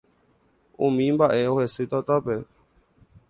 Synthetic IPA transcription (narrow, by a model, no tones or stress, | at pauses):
ũmĩmbaʔeohesɨt̪at̪ape